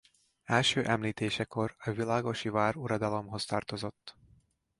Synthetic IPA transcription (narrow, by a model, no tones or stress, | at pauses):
ɛlʃøːʔɛmliːt̪eːʃɛko̞rɒvilaːɡo̞ʃivaːɾuɾɒd̪ɒlo̞mɦo̞st̪ɒːrt̪o̞zo̞t̪ː